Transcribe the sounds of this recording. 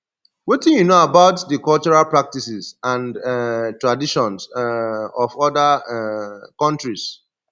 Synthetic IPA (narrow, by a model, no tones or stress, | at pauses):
witĩnjunoabaʊtdəkɔlt͡ʃɔɹalpɹak̚tisisãndtɹadiʃɔ̃ns | ɔfɔda | kɔ̃ntɹis